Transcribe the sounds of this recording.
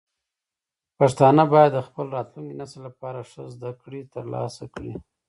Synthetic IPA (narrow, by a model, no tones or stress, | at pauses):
paʂt̪ɑnabɑjad̪ːəxpəlɾɑt̪luŋkinasəlːapɑɾaʂəzd̪akɽit̪əɾlɑ̰sakɽḭ